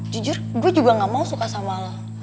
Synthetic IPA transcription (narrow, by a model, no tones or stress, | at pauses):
d͡ʒud͡ʒʊrɡuad͡ʒuɡaŋamausukasamala